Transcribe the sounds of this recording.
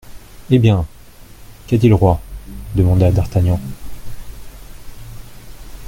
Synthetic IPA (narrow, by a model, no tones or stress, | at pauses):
ebjɛ̃ | kɛd̪iləʁwad̪əmɑ̃d̪ad̪aʁt̪anjɑ̃